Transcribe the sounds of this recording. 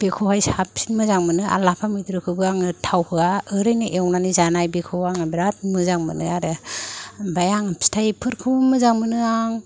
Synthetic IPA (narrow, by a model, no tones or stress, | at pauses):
b̥ekʰohajsap̚si̥nmɯzaŋmɯnɯa̰lapʰamɯjtɾɯkʰɯbɯaŋɯtʰawhɯaɯɾɯjnɯʔewnanizanajbekʰɯwaŋabɾat̚mɯzaŋmɯ̰nɯ̰aɾɯ | bajaŋstʰajpʰɯɾkʰɯbmɯzaŋmɯnɯaŋ